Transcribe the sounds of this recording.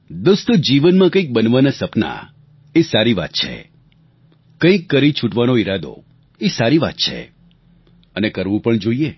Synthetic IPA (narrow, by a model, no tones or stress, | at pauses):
d̪ʊst̪d͡ʒiʋənmãkə̃ik̚bənʋanasəpna̰ | esaɾiʋa̰t̪̚t͡ʃʰḛ | kə̃ĩkːəɾit͡ʃʰuʈʋanoiɾad̪o̰ | esaɾiʋa̰t̪t͡ʃʰḛ | ənekəɾʋũpəɳd͡ʒoie